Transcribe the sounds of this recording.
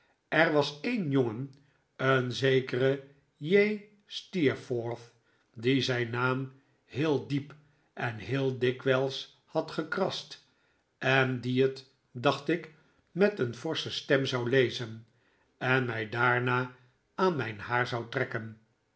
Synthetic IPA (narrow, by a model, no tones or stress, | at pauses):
ʔɛɹʋɑsejnjoŋən | ənzejkərə | jej | stiɹfɔɹθ | dizɛjnːaːm | hɪːlˠdip | ʔɛnɦɪːlˠdɪkʋɛlˠs | hɑtχəkrɑst | ʔɛndiət | dɑχtɪk | mɛtənvɔɹsəstɛmzɑwlejzən | ɛnmɛjdaːɹnaː | aːnmɛjnhaːɹzɑwtrɛkən